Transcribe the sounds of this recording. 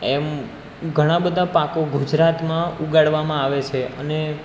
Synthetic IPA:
ɛm | ɡʱəɽ̃ãbəd̪ʱapakoɡud͡ʒɾat̪mãuɡaɽʋamãaʋet͡ʃʰeəne

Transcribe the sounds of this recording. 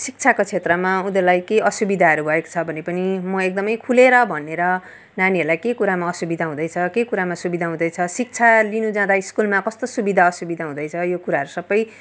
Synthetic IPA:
sik̚t͡sʰakot͡sʰet̪rʌmaud̪ʌlajkeʌsubid̪ʱaɦʌɾubʱʌeko̥t͡sʰʌbʱʌnepʌnimʌek̚d̪ʌmʌjkʰuleɾʌbʱʌneɾʌ | naniɦʌɾulajkekuɾamaʌsubid̪ʱaɦũd̪ʌjt͡sʰʌkekuɾamasubid̪ʱaɦũd̪ʌjt͡sʰʌsik̚t͡sʰalinud͡zãd̪aiskulmakʌst̪osubid̪ʱaʌsubid̪ʱaɦũd̪ʌjt͡sʰʌjokuɾaɦʌɾusʌbːʌj

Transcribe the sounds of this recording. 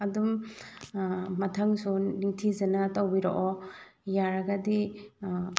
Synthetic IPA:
ɐdum | ɐtʰaŋsunitʰizɐnɐtawbiɾoʔɔ | jaɾaɡadi

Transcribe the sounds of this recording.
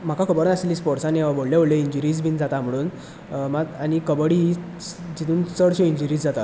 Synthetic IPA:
m̤akakəbəɾənasliːspɔɾsãneʋaboɽljeboɭljeiɲd͡ʑuɾiːd͡zbʱind͡zat̪am̤əɽ̃uːn | maañikəbəɽiɦi | d͡ʑit̪uːnsəɽɕoiɲd͡ʑuɾiːd͡zd͡zat̪a

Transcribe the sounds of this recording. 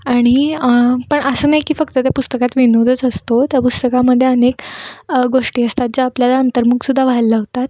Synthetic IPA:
aɽ̃ippəɳəsəːnajkiːfəkt̪ət̪japust̪əkat̪ʋinod̪ʱət͡səst̪ot̪japust̪əkaməd̪ʱːjeənekɡoʂʈiːəst̪at̪̚d͡ʑaːpljalaənt̪əɾmuksud̪ʱːaʋalːaɦot̪at̪̚

